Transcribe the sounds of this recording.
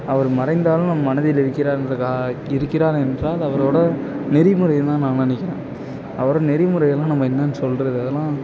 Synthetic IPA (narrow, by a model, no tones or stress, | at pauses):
ɐʋɐɾɯmɐɾɐɪnd̪aːlʊ̃nɐmːɐmɐnɐðɪjɪlɪɾɯkːɪɾaːnrɐkaːɪɾɯkːɪɾaːɾɛndraːlɐʋɐɾoːɽɐnɛɾɪmɯɾɐjt̪ãːnãːɐnɪkːɪɾḛ̃ː | ɐʋɐɾõnɛɾimɯɾɐjɐlːãːnɐmːɐɛnːɐnːɯsɔlɾɐðɯɐðɛlːãː